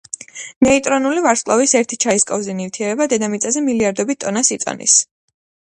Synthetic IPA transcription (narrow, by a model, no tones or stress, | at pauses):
nɛit̪ʼɾɔnulivaɾskʼlˠɔvisɛɾt̪ʰi̥t͡ʃʰaiskʼɔvzɛnivt̪ʰiɛɾɛbad̪ɛd̪amit̪sʼazɛmiliaɾd̪ɔbit̪t̪ʼːɔnasit̪sʼɔ̰nḭs